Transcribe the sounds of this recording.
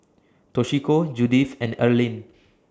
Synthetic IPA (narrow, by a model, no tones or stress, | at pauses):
tɔʃikod͡ʒudifɛ̃nəlĩn